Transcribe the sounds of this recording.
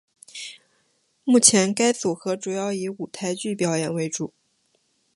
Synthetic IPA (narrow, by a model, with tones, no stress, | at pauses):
mu˥˩t͡ɕʰjɛ˧˥nka˥ɪt͡su˨˩xɤ˧˥ʈ͡ʂu˨˩jɑ˥˩ʊi˧˥u˨˩t̪ʰa˥˧ɪt͡ɕy˥˩pjɑ˨˩˥ʊjɛ˨˩nwe˧˥ɪʈ͡ʂu˨˩˦